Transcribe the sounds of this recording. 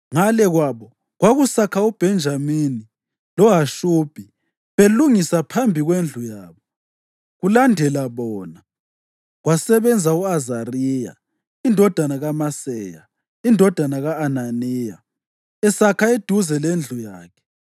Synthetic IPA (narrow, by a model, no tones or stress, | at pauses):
ŋalɛɣwaβɔ | ɣwaɣusakʰaub̥ʱɛnd͡ʒʱamini | lɔɦaʃub̥ʱi | βeluŋisapʰambʱiɣwend͡ɮʱujaːβɔ | ɣulandʱɛlaβɔːna | ɣwasɛβɛnd͡zʱauazariːja̰ | indʱɔd̥ʱanaɣamasɛja̰ | indʱɔd̥ʱanaɣaːnaniːja̰ | ɛsakʰaed̥ʱuzɛlend͡ɮʱujaːkʰɛ̥